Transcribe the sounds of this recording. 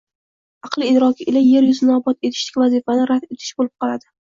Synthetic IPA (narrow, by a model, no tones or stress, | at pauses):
ɑqlˠɪːd̪ɾɒkʲʰɪelaje̞ɾjʊzɪnɒbɒt̪e̞t̪ʰɪ̥ʃlɪ̥kʲvazifanɪɾat̪et̪ʰɪ̥ʃbolɪp̚qʰɒlˠad̪ɪ